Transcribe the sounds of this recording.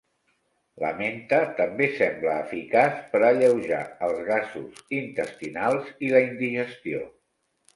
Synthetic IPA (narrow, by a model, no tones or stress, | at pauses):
lə̰ment̪ət̪əmbesɛmbləːfikaspəɾəʎəwʒa̰əlˠzɣazuzint̪əst̪inalˠziləind̪iʒəst̪io̰